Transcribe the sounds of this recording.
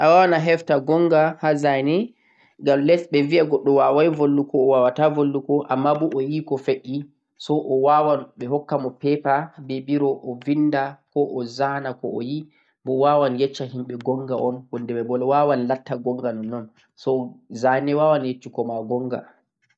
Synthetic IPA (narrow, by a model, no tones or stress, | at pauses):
ʔawawanaɦɛftaɡɔŋɡahazajnɛ | ŋɡamlɛsɓɛviaɡɔɗːɔwawajvolːukɔːwawatavolːukɔʔa̰mːabuʔɔjikɔfeʔi | sɔʔɔwawaɓɛɦɔkːamɔpɛpabɛbiɾɔʔɔvindakɔʔɔzanakɔɔji | bɔwawanjɛt͡ʃːaɦimɓɛɡɔŋɡaʔɔnwɔndɛmɛbɔlɔwawanlatːaɡɔŋɡanɔnːɔn | sɔzanɛwawanjet͡ʃːukɔmaɡɔŋɡa̰